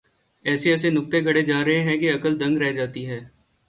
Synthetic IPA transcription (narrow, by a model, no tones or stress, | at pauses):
ɛːseɛːsenʊk̚t̪eɡʱɐɽed͡ʒaːɾɐɦẽɦɛ̃keɐkəld̪ɐ̃ŋɡɾɛɦd͡ʒaːt̪iɦɛː